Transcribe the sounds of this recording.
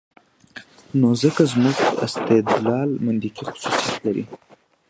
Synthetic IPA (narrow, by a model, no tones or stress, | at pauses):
nozəkazmuɡɪ̰st̪ɪd̪lɑlmʊnd̪ikixʊ̥susijat̪laɾḭ